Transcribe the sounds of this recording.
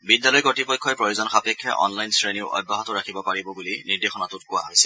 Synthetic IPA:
bidjalɔjkɔtipɔjkʰːɔjpɹojuzɔnxapɛkʰːja̰ʔɔ̰nlajnsɹeniʊɔ̰bʱːaɦɔtʊɹakʰibɔpaɹibɔbuliniɹdexɔnatʊt̚kʊwa̰ɦojsɛ

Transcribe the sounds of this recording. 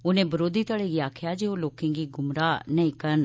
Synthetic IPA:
ʊnẽːbəɾoːd̪iːt̪əɽeːɡiaːkʰjaːd͡ʒeːoːloːkẽːɡiːɡʊmɾaːnəĩːkən

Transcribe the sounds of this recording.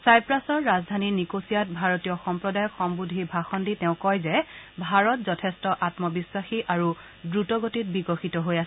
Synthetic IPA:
sajpɹasɔɹːazdʱaninikosijat̚bʱaɹɔtijɔxɔmpɹɔdajɔkxɔmbudʱibʱaxɔnditɛʊ̃kɔjzɛbʱaɹɔtzɔtʰɛstɔʔatmɔbiswaxiʔaɹu | dɹutɔɡotit̚biɡɔxitɔɦojas

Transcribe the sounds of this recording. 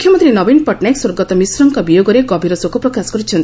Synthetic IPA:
kʰjɔmɔnt̪ɾinɔbinpɔʈnajkswoɾɡɔt̪ɔmisɾɔŋkɔbijoɡɔɾeɡɔbʱiɾɔsokɔpɾɔkasɔ̥kɔɾit͡ʃʰɔnt̪i

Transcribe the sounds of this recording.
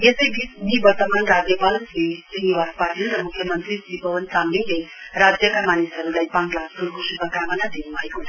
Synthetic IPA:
esʌjbisbibʱʌt̪ʌmanrad͡zjʌpalsisiniwad̪paʈilrʌmukʰːjʌmʌnt̪risibʱʌwʌntamilejrad͡zjʌkamanisʌɾulajpãŋlasulkosupʌkamʌnad̪inubʱʌeko

